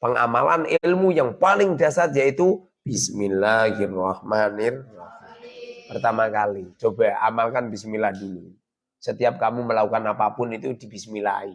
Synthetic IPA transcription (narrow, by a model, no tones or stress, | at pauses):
pəŋa̰mala̰nɪlmujaŋpalɪŋdasat̪̚jait̪u | b̥isminlaɡirahmanɪr | pərt̪amakalit͡ʃobaa̰malkanbisminlahdini | sət̪iap̚kamuməlakukanapapʊnit̪ud̥i̤b̥ismila̰i